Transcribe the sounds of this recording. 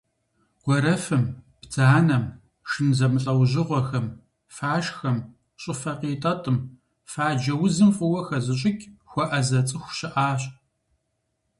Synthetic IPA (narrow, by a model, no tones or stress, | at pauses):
qʷɔɾɐfɨmb̥tʰaːnɐm | ʂɨnzɐmɨɬʼɐwʑɪʁʷɔxɐm | faːʃxɐm | ɕʼɪfɐqiːtʼɐtʼɨm | faːd͡ʒɐwʊzɨmfʼʊwɐxɐzɨɕʼɪkʲʼxʷɔʔɐzɐt͡sʼɨxʷɕɪʔaːɕʼ